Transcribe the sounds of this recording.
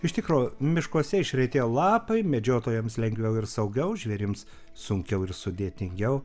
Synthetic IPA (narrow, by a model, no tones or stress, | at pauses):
ɪʃʲt̪ʲɪkɾoːmʲɪʃkuɔsʲɛɪʃʲɾʲɛɪt̪ʲeːjlˠɑːpɐɪmʲɛd͡ʒʲoːt̪oːjɛmslʲɛŋʲɡʋʲɛʊɪɾsɐʊɡʲɛʊʒʲʋʲɛɾʲɪms | sʊŋʲkʲɛʊɪɾsʊd̪ʲeːt̪ʲɪŋʲɡʲɛʊ